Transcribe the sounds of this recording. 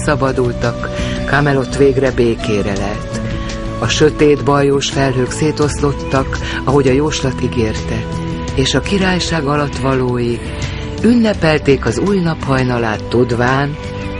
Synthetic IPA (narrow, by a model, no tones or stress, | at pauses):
sɒbɒd̪ult̪ɒkː | aːmɛlo̞t̪ʋeːɡrɛbeːkeːɾɛlɛlt̪ | ɒʃø̞t̪eːd̪bɒjoːʃfɛlɦøːkseːt̪o̞slo̞t̪ːɒk | ɒɦo̞ɟɒjoːʃlɒt̪iɡeːrt̪ɛ | eːʃɒkiɾaːjʃaːɡɒlɒt̪ːʋɒloːji | ynːɛpɛlt̪eːkɒzuːjnɒphɒjnɒlaːt̪ːud̪ʋaːn